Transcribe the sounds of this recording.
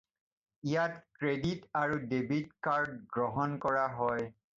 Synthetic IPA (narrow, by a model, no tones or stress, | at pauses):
ijatkɹeditaɹudebitkaɹdɡɹɔɦɔnkɔɹaɦɔj